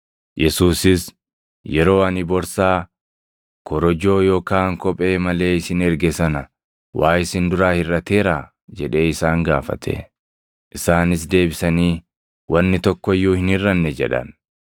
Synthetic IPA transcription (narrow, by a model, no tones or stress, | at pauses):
jɛsuːsɪs | jɛɾo̞ːɐnɪbɔɾsaː | kʰɔɾɔd͡ʒo̞ːjoːkaːŋkɔpʼe̞ːmɐle̞ːɪsɪnɛɾɡɛsɐnɐ | waːjɪsɪnd̪ʊɾaːhɪrːɐt̪e̞ːɾaː | d͡ʒɛᶑe̞ːɪsaːŋɡaːfɐ̰t̪ʰḛ | ʔɪsaːnɪs̬d̪e̞ːbɪsɐniː | wɐnːɪt̪ɔkːɔjːuːhɪnhɪrːɐnːɛd͡ʒɛ̰ᶑɐ̰n